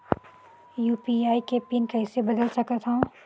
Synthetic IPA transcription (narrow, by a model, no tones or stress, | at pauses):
juːpiaːikepɪnkɛɪsebɐd̪əlsɐkət̪ʰã